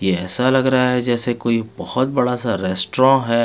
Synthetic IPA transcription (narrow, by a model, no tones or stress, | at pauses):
jeɛːsalɐɡɾaɦaɦɛd͡ʒɛːsekoːibɐhɔt̪̚bɐɽasaɾɛːsʈɾɔ̃ɦɛː